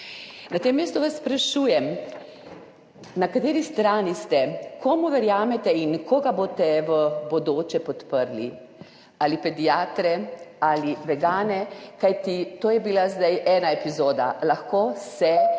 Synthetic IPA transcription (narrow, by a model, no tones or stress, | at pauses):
nat̪eːmːeːst̪uʋasːpɾaʃuːjɛm | nakat̪eːɾist̪ɾaːnist̪ɛkoːmuʋɛɾjaːmɛt̪ɛinkoːɡaboːt̪ɛʋəbod̪oːt͡ʃɛpɔt̪pəɾlḭ | alipɛd̪iaːt̪ɾɛaliʋɛɡaːnɛkajt̪it̪oːjɛbilazd̪ajʔɛːnaepizoːd̪a̰laxkoːsɛ